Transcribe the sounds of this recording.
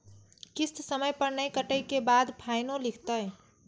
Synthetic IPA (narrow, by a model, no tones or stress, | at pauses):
kist̪səməjpəɾnəjkəʈəjkebad̪pʰajnõlikʰt̪əj